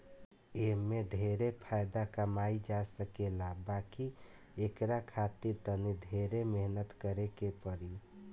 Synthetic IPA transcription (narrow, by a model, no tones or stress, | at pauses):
emːeɖʱeɾepʰajd̪akəmaid͡ʒasəkelabaki | ekɾakʰat̪iɾt̪əniɖʱeɾemeɦnət̪kəɾekepəɾi